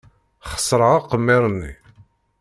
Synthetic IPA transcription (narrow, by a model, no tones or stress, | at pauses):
χə̥sˤɾəʁaqəmːɪɾˤnːḭ